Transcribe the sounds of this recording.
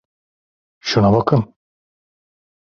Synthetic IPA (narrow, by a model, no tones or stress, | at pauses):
ʃunabakʰɯn